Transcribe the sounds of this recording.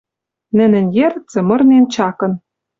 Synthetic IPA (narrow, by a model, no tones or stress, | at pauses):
nɘ̆nɘ̆njeɾt͡sɘ̆mɤ̆rnent͡ɕɑkɤ̆n